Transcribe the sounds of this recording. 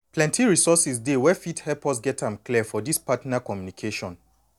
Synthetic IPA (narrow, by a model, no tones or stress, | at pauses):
plɛ̃ntiɹisɔsisdewɛfithɛpɔs̬ɡɛtʰãmkliəfɔdispatnakɔmjunikʰeʃɔ̃n